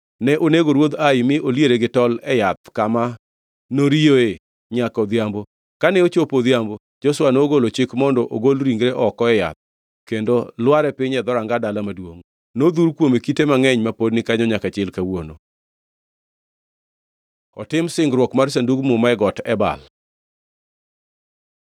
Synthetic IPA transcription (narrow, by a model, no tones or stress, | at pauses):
nɛʔoneɡoɾwod̪aɪmɪʔoljeɾeɡɪtɔlɛjat̪̚kama | noɾioe | ɲakɔd̪jambo | kanɛot͡ʃopod̪jambo | d͡ʒoswanoːɡolot͡ʃɪkmɔndɔʔoɡolɾiŋɡɾeʔɔkɔɛja̰t̪̚ | kendolwaɾɛpɪɲɛd̪ɔɾaŋɡadalamadwoŋ | nod̪uɾkwomekitemaŋɛɲmapodnɪkaɲɔɲakat͡ʃɪlkawono̰ | ɔtɪmsɪŋɡɾwɔkmaɾs̬anduɡmʊmaɛɡɔtɛba̰l